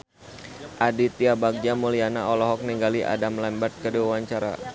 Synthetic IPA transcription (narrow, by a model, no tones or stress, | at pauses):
ʔadit̪iabaɡ̚d͡ʒamulianaɔlɔɦɔk̚niŋɡaliʔa̰damlɛmbat̪̚kəduawaɲt͡ʃaɾa̰